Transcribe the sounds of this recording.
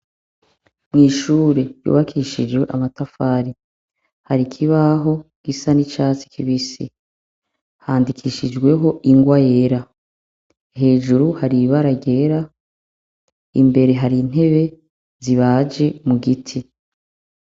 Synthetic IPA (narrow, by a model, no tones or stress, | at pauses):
mŋiːʃuːɾe̞jṵːβakʰiʃid͡ʒwe̞ʔamatafaːɾi | haɾikʰiβaɦo̞ɡ̥isanit͡ʃaːt͡si̥kʰiβisi | haːndikʰiʃid͡ʒɡwe̞ɦo̞ʔiŋɡwaje̞ɾa | ɦe̞ːʒuɾuhaɾiβaɾaɟe̞ɾa | ḭmbe̞ɾe̞ɦaɾin̥e̞βe̞ | ziβaːd͡ʒe̞muɡitʰi